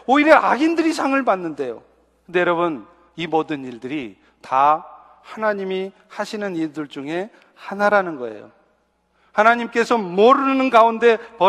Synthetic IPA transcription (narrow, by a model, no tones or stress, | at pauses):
oiɾjeʔaɡindɯɾisʰaŋɯɭpanːɯnde̞jo̰ | kkɯndejʌɾʌbɯn | imodɯniɭdɯɾi | ta | hanaɲimi | haɕʰinɯniɭdɯɭd͡ʑuŋɦe̞ | hanaɾanɯnɡʌ̰e̞̰jo̰ | hanaɲimk͈e̞sʰʌmoɾɯnɯnɡaunde̞pʌ